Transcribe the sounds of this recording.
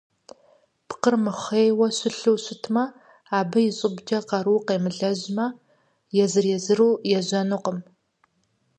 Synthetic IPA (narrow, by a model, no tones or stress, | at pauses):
pqərmɨχʷejwɐɕʷʊɬɨwɕʷʊtʰmɐ | aːbɐjɪɕʼɪbd͡ʒɐqɐɾuːqeːmɨɮɐʑmɐ | jɛzɨrjɛzɨɾuːjɛʑɐnuqəm